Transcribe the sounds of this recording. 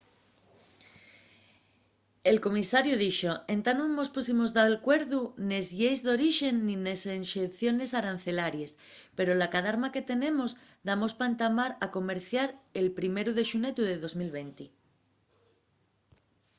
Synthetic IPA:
e̞lko̞misaɾjuðiʃo̞ẽ̞nt̪anuŋmo̞spusimo̞zðaelkwe̞ɾðune̞zʝejzðo̞ɾiʃe̞nːinesenʃeθjo̞ne̞saɾan̟θe̞laɾjes | pe̞ɾolakaðaɾmake̞t̪e̞nẽ̞mo̞zðamo̞spant̪amaɾako̞me̞ɾθjaɾe̞lpɾime̞ɾuð̞e̞ʃune̞t̪uðe̞ðo̞zmilβe̞nt̪i

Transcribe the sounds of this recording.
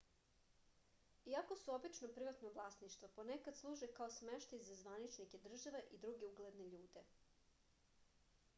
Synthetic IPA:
iako̞suo̞bit͡ʃnopɾiʋat̪noʋlˠaːsniʃt̪vʋoponekad̪slˠuːʒekaosmeʃt̪ajzazʋanit͡ʃnike̞d̪r̩ʒaʋeʔid̪ɾuɡeuɡled̪neʎuːd̪e̞

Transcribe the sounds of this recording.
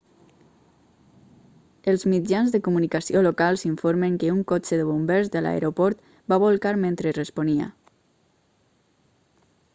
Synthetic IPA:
əlˠzmid͡ʒanzðəkumunikəsiolokalˠziɱfoɾməŋkəuŋkot͡ʃəðəβumbɛɾzðəla̰ḛɾʔopɔɾt̪ | baβolˠkaɾment̪ɾərəsponiə̰

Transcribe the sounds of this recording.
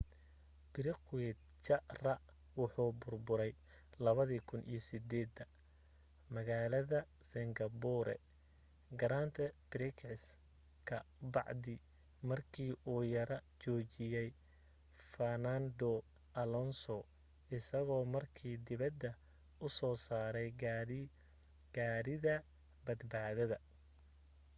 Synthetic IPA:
b̥ɪɾɪqwɛd̪̚ | t͡ʃɐrɐ | wʊħuːbʊrbʊɾɛj | lɐβɐðiːkʰʊnʔḭjɔsɪd̪ɛːd̪ɐ | mɐɣaːlɐðɐ | sɪŋɡɐbuɾɛ̰ | ɡɐɾaːnt̪ʰɛbɪɾɪkʰʕɪs | kʰɐbɑ̰ʕd̪ɪ | mɐrkʰiːʔuːjɐɾɐt͡ʃɔːt͡ʃɪjɛj | fɐnand̪ɔ | ʔɐlɔnsɔ | ʔɪsɐɣɔːmɐrkʰiːd̪ɪβɐd̪ːɐ | ʊsɔːsaːɾɛj | ɡ̥aːɾɪðɐ | bɐd̪baːðɐðɐ

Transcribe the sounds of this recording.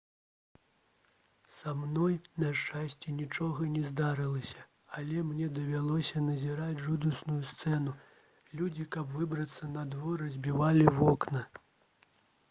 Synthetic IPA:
samnɔjnɐʂt͡ʂasʲt͡sʲɛnʲit͡ʂɔɣɐnʲɛzd̪aɾɨlˠɐsʲɐ | ɐlʲɛmnʲɛd̪ɐvʲalˠɔsʲɐnɐzʲiɾad͡zʲʐud̪usnujust̪sɛnu | lʲud͡zʲikɐbvɨbɾɐt̪sːɐnɐd̪vɔɾɐzʲbʲivalʲivɔknɐ

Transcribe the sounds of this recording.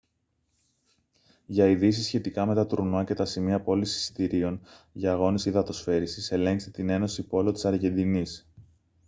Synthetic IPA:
ʝɐiðis̬isçe̞t̪ikɐme̞t̪ɐt̪uɾnɐce̞t̪ɐsimiɐpo̞lisi̥si̥t̪iɾio̞nʝɐːɣo̞nisiðɐt̪o̞sfe̞ɾisise̞le̞ŋkst̪et̪ine̞no̞sipo̞lo̞t̪i̥sɐɾʝe̞nd̪inis

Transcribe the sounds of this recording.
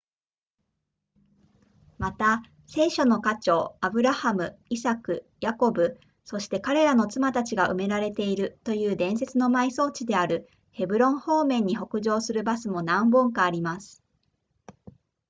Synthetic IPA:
mat̪a | se̞ːɕo̞no̞kat͡ɕo̞ːabɯ̟ɾahamɯ̟isakɯ̟jako̞bɯ̟ | so̞ɕi̥t̪e̞kaɾe̞ɾano̞t͡sɨmat̪at͡ɕiɡaʔɯ̟me̞ɾaɾe̞t̪e̞iɾɯ̟t̪o̞jɯ̟ːd̪ẽ̞ɰ̃se̞t͡sɨno̞maiso̞ːt͡ɕid̪e̞aɾɯ̟ | he̞bɯ̟ɾõ̞ɰ̃ho̞ːmẽ̞ɲ̟ːiɦo̞kɯ̟ʑo̞ːsɨɾɯ̟basɨmo̞nãmbõŋkaːɾʲimasɨ̥

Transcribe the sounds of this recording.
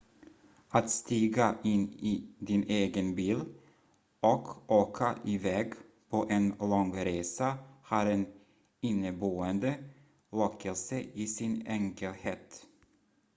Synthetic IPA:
at̪st̪iːɡaʔɪnːid̪ɪneːɡənbiːl | ɔkʔoːkʰaʔɪvɛːɡ | pʰoʔɛnlɔŋɾeːsahɑːɾɛn | ɪnːəboːənd̪ə | lɔkʰːəlsəʔɪsɪnɛŋkəlheːt̪

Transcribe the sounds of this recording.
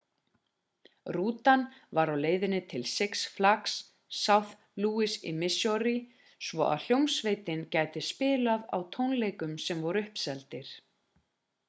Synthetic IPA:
ruːt̪anvaɾawleːjðɪnːɪt̪ʰɪlsɛksflaksː | awθ | luːɪsḭmɪsjɔɾi | svɔ̰ʔa̰ðl̥jowmsvejt̪ɪncaːjt̪ɪspɪːlaða̰wt̪ʰownlejkʏmsɛmvɔɾʏhpsɛlt̪ɪɾ̥

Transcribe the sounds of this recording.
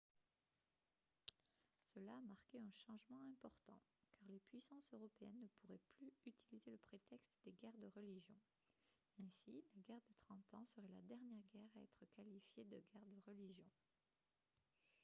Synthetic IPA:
səlaːmaʁkʲeɛ̃ʃɑ̃ʒmɑ̃ɛ̃pɔʁt̪ɑ̰̃kaʁlepɥisɑ̃søʁɔpeɛnːəpuʁɛplyyt̪ʰilizeləpχet̪ɛkst̪d̪eɡɛʁd̪əʁəliʒjɔ̃ | ɛ̃silaɡɛʁd̪ət̪χɑ̃t̪ɑ̃səʁɛla̰d̪ɛʁnjɛʁɡɛʁaɛ̰t̪χəkalifjed̪əɡɛʁd̪əʁəliʒjɔ̃

